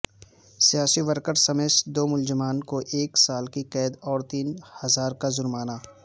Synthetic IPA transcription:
sijaːsiʋəɾkəɾsɐmeːsd̪oːmʊld͡ʒɪmaːnkoʔeːksaːlkiqɛːd̪ɔːɾt̪iːnhɐzaːɾkazʊɾmaːnaː

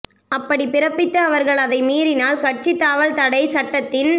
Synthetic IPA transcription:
ɐpːɐɽipɪɾɐpːɪt̪ːɐɐʋɐɾɣɐɭɐðɐɪmiːɾɪnaːlkɐʈ̚t͡ʃit̪ːaːʋɐlt̪ɐɽɐɪsɐʈːɐt̪ːɪn

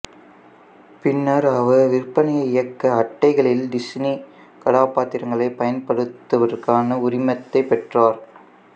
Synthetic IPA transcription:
pɪnːɐɾɐʋɐʋɪrpɐnɐjɐɪɪjɐkːɐːʈːɐɪɣɐɭɪlɖɪsni | kɐɽaːpːaːt̪ːɪɾɐŋɡɐɭɐɪpɐjɐnpɐɽɯt̪ːɐʋɐɾkaːnɐʊrɪmɐt̪ːɐɪpɛʈraːɾ

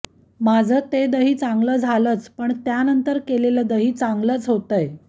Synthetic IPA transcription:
mad͡zʱəːt̪ed̪əɦiːt͡saŋɡləːd͡zʱaləːt͡spəɳt̪janənt̪əɾkeleləd̪əɦiːt͡saŋɡləːt͡sɦot̪əj

